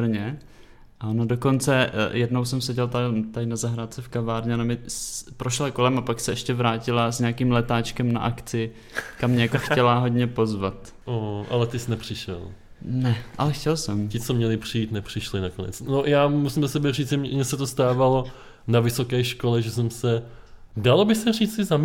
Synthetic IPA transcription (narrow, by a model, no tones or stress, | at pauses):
bɾ̩ɲɛ | ʔaonado̞ko̞nt͡sɛjɛdno̞wsɛmsɛɟɛlt̪at̪aɪnazaɦɾat̪t͡sɛfkavaːɾɲɛnomɪspɾoʃlako̞lɛmapaksɛɛʃcɛvɾaːcɪlazɲaːkiːmlɛt̪aːt͡ʃkɛmnaʔakt͡sɪ | kamːɲɛjakoxcɛlaɦo̞dɲɛpo̞zvat̪ | ʔoʔa̰lɛt̪ɪsnɛpr̥ɪʃɛ̰l | nɛʔa̰lɛxcɛlsɛmcɪt͡somɲɛlɪpr̥ɪjiːt̪nɛpr̝̥ɪʃlɪnakonɛ̰t͡snojaːmusɪmzasɛbɛriːt͡sɛmmɲɛsɛt̪ost̪aːvalo̞ | navɪsokɛːʃkolɛʒɛsɛmsɛ | dalobɪsɛriːt͡sɪzam